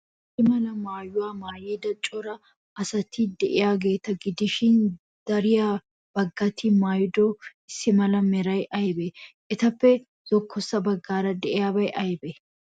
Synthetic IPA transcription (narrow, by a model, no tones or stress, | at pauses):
ɪsɪmɐlɐmaːjʊwaːmaːjeːd̪ɐt͡ʃʼɔɾɐ | ʔɐsɐt̪ːid̪ɛʔɪjaːɡeːt̪ːɐɡɪd̪ɪʃɪn | d̪̥ɐɾɪjaː | b̥ɐɡːɐt̪ʰːimaːjd̪oːɪsːɪmɐlɐmɛɾɐjʔɐjbɛʔɪt̪ɐpːɛ | z̥ɔkʰːɔsːɐbɐɡːaːɾɐd̪ɛʔɪjaːbɐjʔɐjbɛ